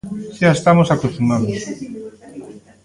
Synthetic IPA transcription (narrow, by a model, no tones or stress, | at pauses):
ʃaaest̪amosakust̪umãnd̪o